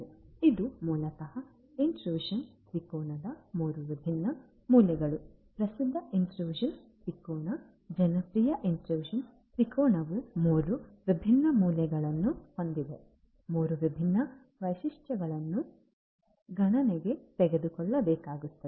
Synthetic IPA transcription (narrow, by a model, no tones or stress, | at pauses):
id̪umuːlɐkɐhɐ | inʈɾuːʂɐnt̪ɾikɔːɳɐd̪ɐmuːɾuʋibʱinːɐ | muːlɛɡɐɭu | pɾɐsid̪ʱːɐʔinʈɾuːʒɐn | t̪ɾikɔːɳɐ | d͡ʒɐnɐpɾiːjɐʔinʈɾuːʃɐn | t̪ɾikɔːɳɐʋumuːɾuʋibʱinːɐmuːlɛɡɐɭɐnːuhond̪iʋe | muːɾuʋibʱinːɐ | ʋɐjʃiʂʈɐɡɐɭɐnːu | ɡʱɐɳɐneɡe̞t̪ɛɡe̞d̪ukɔɭːɐbɛːkaːɡut̪ːɐ